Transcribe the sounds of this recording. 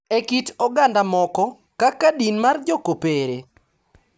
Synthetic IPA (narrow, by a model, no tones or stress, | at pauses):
ekitɔɡandamɔkɔ | kakadinmard͡ʒɔkopeɾe